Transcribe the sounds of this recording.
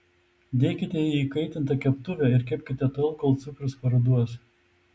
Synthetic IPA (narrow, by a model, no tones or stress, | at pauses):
d̪ʲeːkʲɪt̪ʲɛjiiːkɐɪt̪ʲɪnt̪ɐkʲɛpt̪ʊʋʲɛɪɾkʲɛpʲkʲɪt̪ʲɛt̪ɐlˠkoːlˠt̪sʊkɾʲʊspɐɾɐd̪uɔs